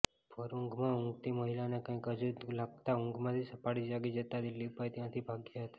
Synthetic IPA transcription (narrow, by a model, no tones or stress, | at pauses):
pəɾuŋɡmãʊŋɡt̪iməɦilanekə̃ĩkəd͡ʒulaɡ̚t̪aʊŋɡmãt̪ʰisəpaɽid͡ʒaɡid͡ʒət̪ad̪ɪlːiupajt̪jãt̪ʰibʱaɡjaɦət̪ḁ